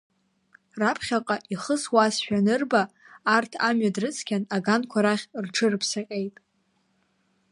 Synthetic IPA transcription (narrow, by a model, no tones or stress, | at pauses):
rapʰχʲaqʼaʔiχəswasʃᶣanɨrbaː | rtʰamɥadrɨt͡sʰʼkʲanaɡankʷʰaɾaχʲrʈ͡ʂʰɨrpʰsaqʲʼejtʼ